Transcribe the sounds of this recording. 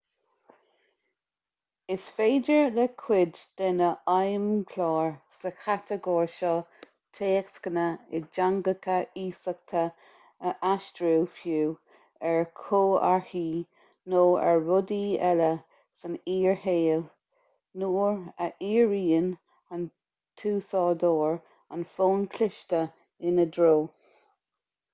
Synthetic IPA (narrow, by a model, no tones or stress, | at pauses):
ɪsfeːdəɹlɛkʰwɪdd̪̥ɛnəʔajmkʰlɑːɹsəxʰat̪ʰəɡɔːɹʃɔ | tʰeːɛkskənəɪd͡ʒaŋɡəkʰəʔiːsək̚t̪ʰə | əʔaʃtɾuːfjuː | ɛɹkʰoːa̰ɹhiː | noːɛ̰ɹɹʊdiːɛlə | səniːɹheːl | nuːɹəʔiːɹiːən | ən | t̪ʰuːsɔːd̪oːɹ | ənfoːnkʰlɪʃtə | ɪnəd̪ɾoː